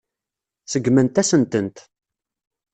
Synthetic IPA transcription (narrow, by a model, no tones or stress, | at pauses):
səɡːmənt̪æsənt̪ənt̪